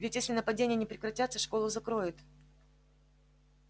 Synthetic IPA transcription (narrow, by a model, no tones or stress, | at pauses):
vʲɪtʲjesʲlʲɪnəpɐdʲenʲɪjənʲɪpɾʲɪkɾɐtʲat̪sːəʂko̞lˠʊzɐkɾo̞jɪt̪